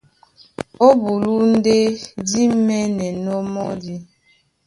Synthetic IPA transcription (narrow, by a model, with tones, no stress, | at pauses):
o˦bu˨lu˦n̩˦de˦di˦mɛ˦nɛ˨nɔ˦mɔ˦di˦